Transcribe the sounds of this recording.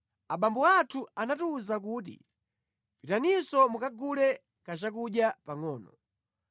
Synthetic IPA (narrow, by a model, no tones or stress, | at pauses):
aɓambɔatʰuanatuːzak̬uːt̬ḭ | pitanisɔmukaɡulɛ | kat͡ʃak̬uɗjapaŋɔːnɔ̰